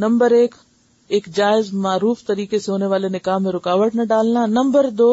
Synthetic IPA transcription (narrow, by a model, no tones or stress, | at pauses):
nɐ̃mbəɾeːk | eːkd͡ʒaːɪzmaːɾuːft̪ɐɾiːkeseɦoːneʋaːlenɪkaːɦmẽɾʊkaːʋəʈnɐɖaːlnanɐ̃mbəɾd̪oː